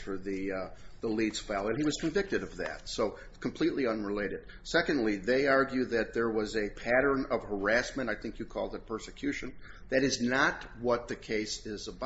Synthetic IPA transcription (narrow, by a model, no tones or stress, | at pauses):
fə˞ðiðəlidz̥fælˠɨ̃niwʌz̥kʰɨ̃ɱvɪk̚tɨɾʌvðɨ̰tsoʊ | kʰm̩pʰl̥itˡliʌ̃nɹəleɪɾɨd̥̚ | sɛkɨ̃ndˡliðeɪɑɹɡjʉðɨt̪̚ðə˞wʌzɨpʰæɾə̃˞nʌv̥hə˞æsmɨ̃ɾ̃aɪθɪ̃ŋkjɨkʰɔ̰lˠd̪ɨt̚pʰɜ˞sɨkʰj̥ʉʃɨ̃n | ðɨɾɨznət̚ | wʌt̪̚ðɨkʰeɪsɪzəb